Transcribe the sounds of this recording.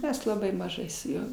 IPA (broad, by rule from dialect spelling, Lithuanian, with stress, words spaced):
ˈmʲɛs lˠɐˈbɐɪ mɐˈʒɐɪ sʊ ˈjuɔ